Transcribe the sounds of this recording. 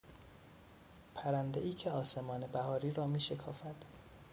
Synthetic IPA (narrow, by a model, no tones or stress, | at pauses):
pʰæɾænd̪eʔiːcʰeɒːse̞mɒːne̞bæhɒːɾiːɾɒːmiːʃe̞kʰɒːfæd̪̥